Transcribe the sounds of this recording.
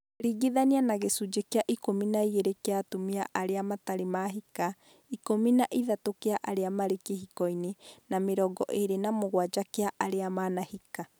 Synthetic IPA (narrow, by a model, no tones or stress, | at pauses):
ɾiɡiðanianaɣesud͡ʒekeaʔikominaiɣeɾekeatomiaʔaɾeamataɾemaɦika | ikominaʔiðatokeaʔaɾeamaɾekehikɔinenameɾɔɡɔ̰ʔeɾenamoɣwad͡ʒakeaʔaɾeamanahika